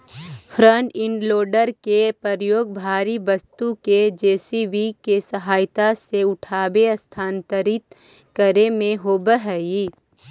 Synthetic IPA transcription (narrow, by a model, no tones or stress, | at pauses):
fʰɾə̃ɳʈɪ̃ɳɖloːɖəɾkepəɾjoːɡbʱaːɾibɐst̪uked͡ʒeːsiʋikesəɦaːjt̪aseʊʈʰaːbeɐst̪ʰaːnt̪əɾɪt̪ | kəɾemẽɦoːbəɦɛi